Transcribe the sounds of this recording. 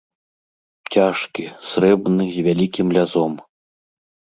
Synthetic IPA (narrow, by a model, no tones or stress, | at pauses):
t͡sʲaʂkʲisɾɛbnɨzʲvʲalʲikʲimlʲazɔm